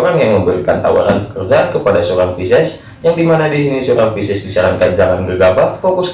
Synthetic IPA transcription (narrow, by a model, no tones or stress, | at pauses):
ɾanjaŋməmbəɾikant̪a̰wa̰ɾanpə̥kərd͡ʒaankəpadasəoɾaŋpisɛs | jaŋdimanadisinisoɾaŋpisɛsdisaɾaŋkand͡ʒalanbəɡapafokʊs